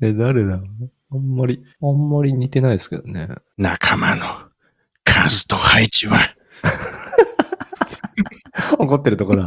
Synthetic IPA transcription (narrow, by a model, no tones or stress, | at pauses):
ed̪aɾed̪ahãmːaɾʲihãmːaɾʲiɲʲit̪e̞naid̪esɨ̥ked̪anḛnakʰamano | kʰazɨt̪ohait͡ɕiβa | oko̞t̪̬ːe̞ɾɯ̟t̪o̞ko̞d̪a